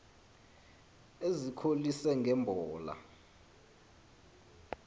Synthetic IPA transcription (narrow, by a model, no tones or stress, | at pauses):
ezikʰolisɛŋɡʱɛmbʱɔːla̰